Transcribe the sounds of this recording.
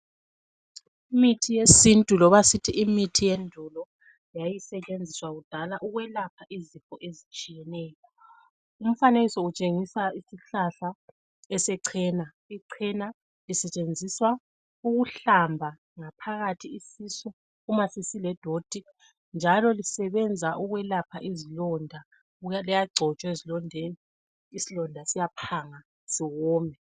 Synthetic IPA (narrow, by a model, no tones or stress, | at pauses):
imitʰijesintʼulɔβasitʰiʔimitʰijendʱulɔ | jajisɛt͡ʃʼend͡zʱiswaɣud̥ʱalaʔuɣwɛlap̚ʰaʔizifʼɔʔezit͡ʃʼijɛnɛːjɔ | um̩fanelisɔut͡ʃʼeŋisaisiɬaɬa | ɛsɛǀʰɛna | iǀʰɛna | lisɛt͡ʃʼend͡zʱiswa | uɣuɬambʱa | ŋapʰaɣatʰiisisu | umasisilɛd̥ʱod̥ʱi | nd͡ʒʱalɔlisɛβɛnd͡zʱaʔuɣwɛlapʰaʔizilɔndʱa | ujalɛjaɡ͡ǀʱɔt͡ʃʼwezilɔndʱeni | isilɔndʱasijapʰaŋa | siɣɔːmʱɛ